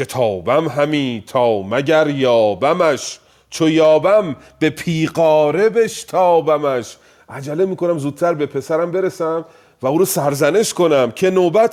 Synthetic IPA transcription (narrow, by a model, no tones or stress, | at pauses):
kʰet̪ʰɒːbæmɦæmiːt̪ʰɒːmæɟæɾjɒːbæmæʃ | t͡ʃʰojɒːbæm | b̥e̞pʰiːɢɒːɾe̞beʃt̪ʰɒːbæmæʃ | ʔæd͡ʒælemiːko̞næmzuːd̪̥̚t̪ʰæɾbe̞pʰe̞sæɾæmbe̞ɾesæm | væuːɾɔsæɾzæne̞ʃko̞næmcʰe̞noːbæt̪